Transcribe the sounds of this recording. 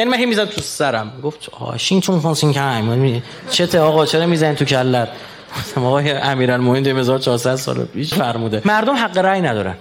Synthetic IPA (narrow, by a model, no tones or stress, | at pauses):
jænimænɦejmizæt̪ʰusæɾæmːiɡoft̪ɒ̰ːʃint̪ʰunfonsiŋkʰæmmi | t͡ʃʰet̪ʰeɒːɣɒːt͡ʃʰeɾɒːmiːzænit̪ʰucʰælːæɾ | osæmɒɣɒːjeʔæmiːɾælmomend̪emezɒːɾt͡ʃʰɒːɾsæd̪sɒ̰lḛpʰiːʃfæɾmuːd̪emæɾd̪omɦæɡːeɾæːjnæd̪ɒːɾæ̰n